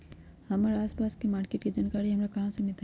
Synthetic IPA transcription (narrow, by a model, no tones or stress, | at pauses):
hɐmaɾaːspaːskemaːɾkeːʈkeid͡ʒaːnkaːɾiɦɐmɾakɐɦãsemɪlt̪a